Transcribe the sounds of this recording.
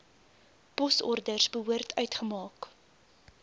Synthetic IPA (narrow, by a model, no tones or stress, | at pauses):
pɔsɔrdərsbəɦuərtʰœɥtχəmɑːk